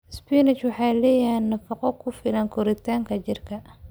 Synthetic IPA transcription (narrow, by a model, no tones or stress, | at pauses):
spinɪt͡ʃwɑħɑːjlɛːjanːɐfɐqɔkʰʊfɪlɐŋkʰʊɾɪt̪ʰaːŋkʰɐt͡ʃɪrkʰɐ